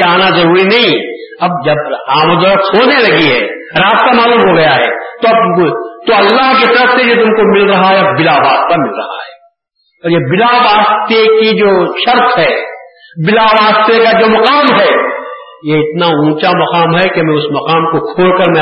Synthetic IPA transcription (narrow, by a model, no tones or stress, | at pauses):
aːnazɐɾuːɾinɐɦĩ | ɐb̚d͡ʒɐbaːməd̪ɔɾək̪ʰhoːnelɐɡiɦɛ̰ː | ɾaːst̪amaːluːmɦoɡɐjaɦɛ̰ːt̪oɐbt̪oɐlːaːɦkit̪ɐɾəfsejet̪ʊmkomɪlɾɐɦaɦɛɐbɪlaʋaːst̪t̪amɪlɾɐɦa̰ɦɛː | ɔːɾjebɪlaʋaːst̪ekid͡ʒoːʃɐɾt̪ɦɛːbɪlaʋaːst̪ekad͡ʒoːmɐqaːmɦɛː | jeɪt̪naũːt͡ʃamɐqaːmɦɛkemɛ̃ʊsmɐqaːmkokʰoːɽkɐɾmɛ̃